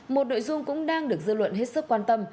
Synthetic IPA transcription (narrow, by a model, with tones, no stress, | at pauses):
mo˨˩t̚no̰˧˨jzʊ˧ŋ͡mkʊ̰˧˥ŋ͡mɗaː˧ŋɗɨ˨˩ək̚zɨ̰˧˨lwə̰˧˨nɦe˦˥t̚sɨ˦˥k̚ːwaː˧nt̪ə˧m